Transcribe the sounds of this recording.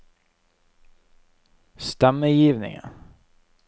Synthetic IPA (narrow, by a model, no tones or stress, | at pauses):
st̪ɛmːəjiːvnɪ̰ŋə̰n